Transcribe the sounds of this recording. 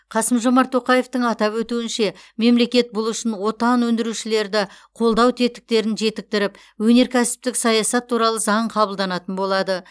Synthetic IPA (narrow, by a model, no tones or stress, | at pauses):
qʰɑsəmʒo̞mɑɾt̪ʰːo̞qɑje̞ft̪əɴɑt̪ɑpwɵt̪uɪnʃe̞me̞mle̞kʲe̞t̪̚bʊlˠʏʃɪnwo̞t̪ɑnwɵnd̪ɪɾuʃɪle̞ɾd̪ɪqʰo̞lˠd̪ɑwt̪ʰe̞t̪ɪ̥k̚t̪e̞ɾɪnʒe̞t̪ɪk̚t̪ɪɾɪp | wɵne̞ɾkʲʰæsɪ̥p̚t̪ɪksɑjɑsɑt̪ʰːuɾɑlˠəzɑɴqʰɑbəlˠd̪ɑnɑt̪ənbo̞lˠɑd̪ə